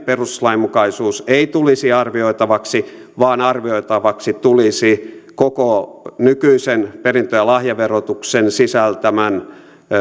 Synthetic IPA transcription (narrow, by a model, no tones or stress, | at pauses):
peruslɑimukɑisuːseit̪ulisiɑrʋioit̪ɑʋɑksi | ʋɑːnɑrʋioit̪ɑʋɑksit̪ulisikokonykyisenperint̪øjɑlɑhjɑʋerot̪uksensisælt̪æmæn